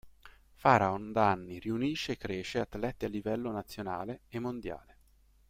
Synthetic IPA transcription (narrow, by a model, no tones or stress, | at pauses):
faːɾaond̪anːiriuniʃːeːkːɾeːʃeat̪ːlɛt̪ːialːivɛlːonat̪sːjona̰ːleemːond̪ja̰ːle